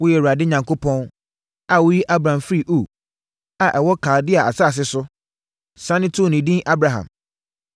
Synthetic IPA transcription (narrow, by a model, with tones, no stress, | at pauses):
wʊ˦jɛ˨wʊ˨ɾa˨dɪ˦ɲã˨ŋkʰo˦pʰɔ̃˦n | a˨wʊ˦ji˦ʔa˦bɾã˨mfɾi˨ʔo˨ | a˨ʔɛ˨wɔ˦kʰa˨ldɪ˦a˨a˨saː˦˨s̬ɪ˦sʊ˦ | sã˦nɪ̃˦tʰo˦˨nĩ˨dĩ˦ʔa˦bɾa˨ɦã̰˨m